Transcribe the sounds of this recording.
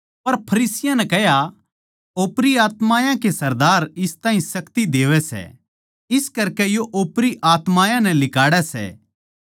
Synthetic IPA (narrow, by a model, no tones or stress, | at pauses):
pɐɾpʰɐɾiːsɪjãnɛkɛɦja | oːpɾiaːt̪maːjãkesɐɾd̪aːɾɪst̪ãːɦĩsɐkt̪id̪eːʋɛsɛ̰ | ɪskɐɾkɛjoʔoːpɾiʔaːt̪maːjãnɛlɪkaːɽɛsɛ̰